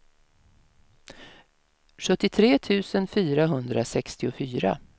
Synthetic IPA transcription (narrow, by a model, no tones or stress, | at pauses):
ɧɵt̪ːɪt̪ʰɾeːt̪ʰʉ̟ːsənfyːɾaɦɵnd̪ɾasɛkst̪ɪʊfyːɾa̰